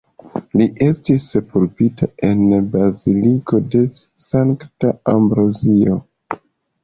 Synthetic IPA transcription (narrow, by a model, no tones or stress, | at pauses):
liʔe̞stisepulpitʰae̞nbaziliko̞de̞saŋktaambɾozio